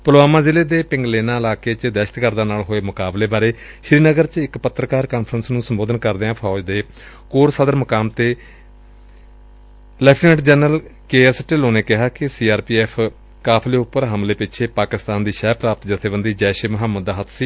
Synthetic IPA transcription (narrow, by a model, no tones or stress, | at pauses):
pəloaːmaːzɪleːd̪eːpɪŋɡleːnãːɪlaːkeːt͡ʃd̪ɛːʃət̪kəɾd̪aːnaːlɦoːeːmʊkaːbleːbaːɾeː | ʃɾiːnəɡəɾt͡ʃɪkpət̪ːɾəkaːɾkaːnpʰɾənsnũːsəmboːd̪ənkəɾd̪eːãːpʰɔːd͡ʒd̪eː | koːɾsəd̪əɾməkaːmt̪eː | lɛːpʰʈnɛːʈd͡ʒɛːnəlkeːɛːsʈɪloːneːkɪɦaːkɪsiːaːɾpiːɛːpʰ | kaːpʰleːʊpːəɾɦəmleːpɪt͡ʃʰeːpaːkɪst̪aːnd̪iːʃɛːpɾaːpət̪d͡ʒət̪ʰeːbənd̪iːd͡ʒɛːʃeməɦəmːəd̪ːaːɦət̪ʰsiː